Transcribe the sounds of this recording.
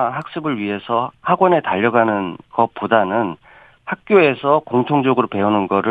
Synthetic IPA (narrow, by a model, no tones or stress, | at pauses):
ɦak̚s͈ɯbɯɭɥiɦe̞sʰʌhaɡwʌne̞taʎːʌɡanɯnkʌp͈ːudanɯn | hak̚k͈joe̞sʰʌkoŋtʰoŋd͡ʑʌɡɯɾope̞unɯnɡʌɾɯ